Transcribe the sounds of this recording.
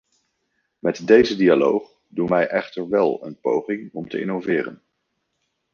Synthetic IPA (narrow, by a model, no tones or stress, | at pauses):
mɛtdejzədialowχ | dunʋɛjʔɛχtəɹʋɛlˠə̰npo̰wχɪŋɔmtəɪ̰nowvɪːrə̰n